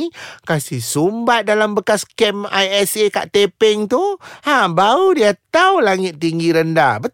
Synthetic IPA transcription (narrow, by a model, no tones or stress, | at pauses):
kasihsumbat̪̚dalambəkaskɛmajɛseka̰ʔt̪epɪŋt̪uhãbaudiat̪awlaŋɪt̪̚ːiŋɡiɾəndabə